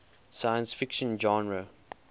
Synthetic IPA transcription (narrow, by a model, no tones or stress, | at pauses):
sajə̃nsfɪkʃə̃nd͡ʒɔ̃nɹə